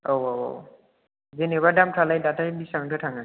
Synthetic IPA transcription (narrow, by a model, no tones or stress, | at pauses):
owowo̰w | zeneβadamtʰalajdatabisaŋtʰɯtʰaŋa